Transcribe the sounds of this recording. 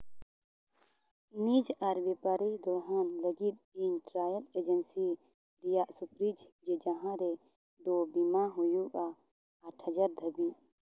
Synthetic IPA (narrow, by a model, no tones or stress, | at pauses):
nid͡ʒaɾbɛpaɾid̪ɔɦanləɡit̪̚inʈɾaːjəled͡ʒənsi | ɾijaʔsupɾid͡ʒd͡ʒed͡ʒɐɦãɾe | d̪obimaɦujuɡaː | ʈʰəd͡ʒaɾd̪ʱəbi